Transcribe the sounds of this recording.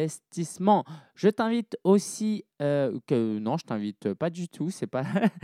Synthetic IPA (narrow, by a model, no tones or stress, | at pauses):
ɛst̪ismɑ̃ʒət̪ɛ̃vit̪osiøkənɔ̃ʒət̪ɛ̃vit̪øpad̪yt̪ʰusɛpa